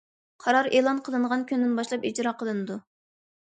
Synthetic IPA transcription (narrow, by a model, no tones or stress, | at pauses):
qʰɑɾɑɾeːlˠɑnqʰəlˠɨɴʁɑnkʲynd̪ɪnbɑʃlˠɑpid͡ʒɾɑqʰəlˠɨnɨd̪u